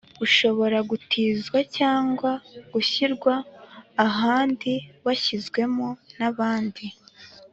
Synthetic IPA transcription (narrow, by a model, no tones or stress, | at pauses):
ɡuʃo̞βo̞ɾaɡutʰiːzɡwacaːŋɡwaɡ̥uçiɾɡwaː | ɦaːndiβaçizɡwe̞monaβaːndi